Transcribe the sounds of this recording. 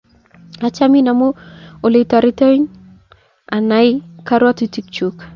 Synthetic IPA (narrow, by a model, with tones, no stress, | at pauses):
a˨t͡ʃa˦mi˦na˨mo˦o˨le˨ta˨ɾi˦te˦n | a˨na˨˦jka˦ɾwa˦ti˨˦ti˨˦k̚t͡ʃu˦k